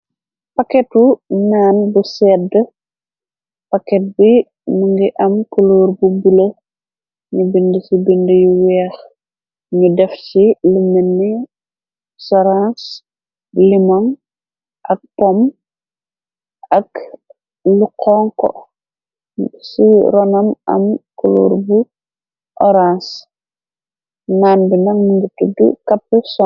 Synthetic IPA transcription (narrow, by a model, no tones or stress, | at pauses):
pakɛtunaːnbusɛːdə | pakɛt̚bi | muŋɡiʔɐmkuloːɾbubulɐ | ɲubindəsibindəjuwɛːx | ɲudɛft͡ʃilumɛnːi | sɔɾãs | limɔŋ | ʔɐk̚pɔm | ʔɐk | lukʰɔŋkɔ̰ | siɾɔnɐmɐ̰mkulṵːɾbu | ʔɔɾãns | naːnbinɐŋmuɲutudṵkapːəsɔ